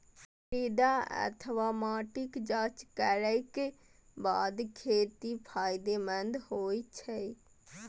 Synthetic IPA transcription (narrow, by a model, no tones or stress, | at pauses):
iːd̪aə̰t̪ʰʋaːmaːʈɪkd͡ʒaːt͡ʃkəɾəike | baːd̪kʰeːt̪ipʰaːɪd̪emə̃nd̪hoːit͡ʃʰɛi